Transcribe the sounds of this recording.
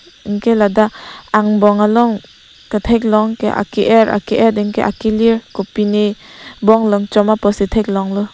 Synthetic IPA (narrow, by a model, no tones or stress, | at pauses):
iŋkʰeladaaŋbɔŋalɔŋ | kɯtʰejk̚lɔŋkeʔa̰kiʔeɾa̰keʔediŋkeʔakiliɾkupinibɔŋlɔŋt͡ʃɔmapɔsitʰejk̚lɔŋlɔ